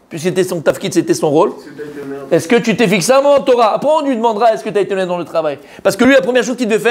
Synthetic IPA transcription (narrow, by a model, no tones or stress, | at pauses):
pɥiskəset̪ɛsɔ̃t̪afkʲit̪set̪ɛsɔ̃ʁol | ɛskət̪yt̪efiksaãmɔmɑ̃t̪ɔʁaːpχɛ̃ɔ̃t̪yɥid̪əmɑ̃d̪ʁaɛskət̪yaet̪enɛd̪ɑ̃lət̪χavaj | paʁsə̥kəlɥilapχəmjɛʁʃ̬ozkʲid̪əvɛfɛʁ